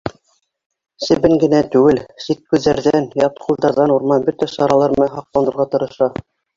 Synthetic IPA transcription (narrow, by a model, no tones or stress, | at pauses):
sɘ̆βɘŋɡɘ̆næt̪ʉɡɘlsit̪̚kʉðːæɾðænjɑt̪qulˠd̪ɑɾðɑnuɾmɑnbɵt̪æsɑɾɑlˠɑɾmmæɦɑq̚t̪ɑnɤ̆ɾʁɑt̪ɤ̆ɾɤ̆ʃɑ